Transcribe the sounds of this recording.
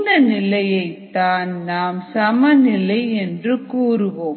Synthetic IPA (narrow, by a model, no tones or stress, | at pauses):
nɐnɪlɐjɐɪt̪ːaːnnaːmsɐmɐnɪlɐɪɛndrɯkuːɾɯʋoː